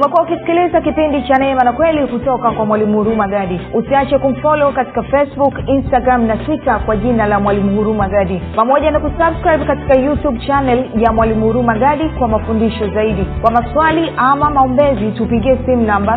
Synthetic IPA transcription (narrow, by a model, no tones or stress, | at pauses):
umɛkuaukisi̥kilizakipindit͡ʃanɛmanakwɛlihutɔkakwamwalimuhuɾumaɡaɗiusiat͡ʃɛkum̩fɔlɔkati̥kafɛsbukinstaɡɾamnatwitakwaʄinalamwalimuhuɾumaɡaɗipamɔʄanakusabskɾajɓ̚kati̥kajutuɓt͡ʃanɛljamwalimuhuɾumaɠaɗikwamafundiʃɔzaiɗikwamaswaliʔamamaɔmbɛzitupiɠiɛsimunamba